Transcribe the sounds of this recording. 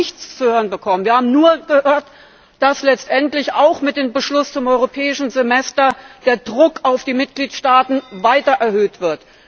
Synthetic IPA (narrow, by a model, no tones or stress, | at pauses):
ɪçt͡st͡suhøːʁ̞ənbəkʰɔmənviːɐhaːbm̩nuːɐɡ̥əhøːɐt | d̥aslɛt͡stʔɛntlɪçaʊxmɪt̚d̥eːmbəʃlʊst͡sʊmʔɔʏʁopʰɛːɪʃn̩zemɛstɐd̥eːɐdʁʊkaʊfd̥iːmɪt̚ɡ̥liːtʃtaːtn̩vaɪtɐʔɛɐhøːtv̥ɪɐt